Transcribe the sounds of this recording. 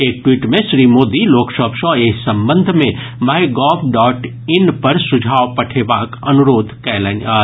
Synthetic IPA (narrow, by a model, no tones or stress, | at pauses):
eːk̚ʈwiːʈmẽʃɾimoːd̪iloːkʃɔpʃɔ̃eːsɐ̃mbə̃nd̪ʱmẽ | majɡɔːpɖɔːʈ | ɪnpɐɾsʊd͡ʒʱaːʋpɐʈʰebaːkɐnuɾoːd̪ʱkɛːləna